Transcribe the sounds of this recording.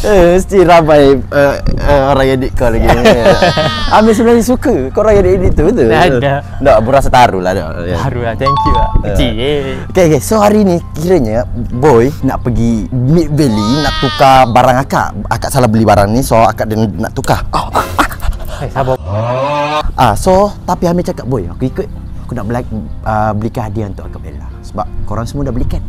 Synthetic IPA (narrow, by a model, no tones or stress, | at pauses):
əməst̪iɾamajəəoɾaŋjadɪʔkɔlaɡi | amisənaɲəs̬ukəkoɾaŋjadiʔdiʔt̪ut̪u | dɔʔbuɾasat̪aɾula̰hdɔ̰ʔaɛŋkjuəi | kekesoɦaɾinikiɾəɲabɔjna̰ʔpəɡimiʔ̪̚vəlinaʔt̪ukabaɾaŋaka̰ʔakaʔsalahbəlibaɾaŋnisɔha̰kaʔdənna̰ʔt̪ukao | kesabaaʔasɔt̪apiambit͡ʃakap̚bɔjakuikʊt̪̚akunaʔbəlak̚əbəlikaadiaunt̪ʊʔkakaʔbḛla̰səbap̚koɾaŋsəmuadahbəlikan̚